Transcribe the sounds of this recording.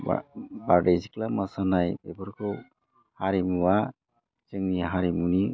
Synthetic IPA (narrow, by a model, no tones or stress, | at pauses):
b̰baɾdejsiklamasanajbebɯɾkʰɯw | haɾimuwa | t͡ʃɯŋniaɦaɾimuni